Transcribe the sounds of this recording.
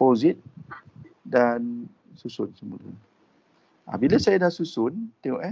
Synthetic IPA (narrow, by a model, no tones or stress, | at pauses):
pozit̪̚ | dan | susʊnsəmulə̰ | ʔa̰bilasajadasusʊnt̪eoʔɛ